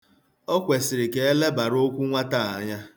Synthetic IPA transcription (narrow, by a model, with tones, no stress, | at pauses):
ɔ˦kʷe˨sɪ˨ɾɪ˨ke˨e˦le˦ba˨ɾo˦kʷu˦ŋʷa˦ta˦˨a˨ɲa˦